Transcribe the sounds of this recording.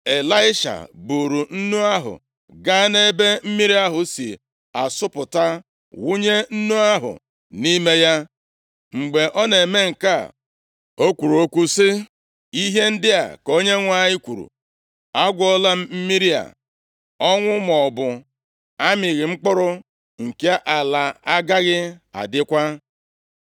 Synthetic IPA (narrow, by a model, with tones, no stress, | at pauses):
e˨la˦ɪ˦ʃa̰˨bu˨ɾu˨n̩˦nu˦a˦ɦʊ̰˨ | ɡa˦ne˦be˦m̩˦mi˦ɾi˦a˦ɦʊ˨sḭ˨ | a˨sʊ˦pʊ˨ta˦ | wu˦ɲe˦n̩˦nu˦a˦ɦʊ̰˨ | ni˦me˦ja˦ | ŋ͡m̩˨ɡ͡be˨ʔɔ˦ne˨me˦ŋ̩˨ka˦˨ | o˦kʷu˨ɾu˨o˦kʷu˦sɪ˦ | i˦ɦe˦n̩˦dɪ˦a̰˨ko˦ɲe˦ŋʷa˦˨ɲɪ˦kʷu˨ɾṵ˨ | a˦ɡʷɔ˦la˦m̩˦m̩˦mi˦ɾi˦a̰˨ | ɔ˦ŋʷʊ˦m˨ɔ˨bʊ˨ | a˦mɪ˨ɣɪ˨ŋ͡m̩˦k͡pʊ˦ɾʊ˦ | ŋ̩˨ke˦ʔa˨la˨a˦ɡa˦ɣɪ˦a̰˨dɪ˦kʷa˦